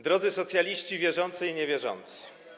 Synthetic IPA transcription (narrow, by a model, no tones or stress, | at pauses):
d̪ɾɔd̪zɘsɔt̪sʲjalʲiɕt͡ɕivʲjɛʐɔnt̪sɘiɲevʲjɛʐɔ̰nt̪sɘ̥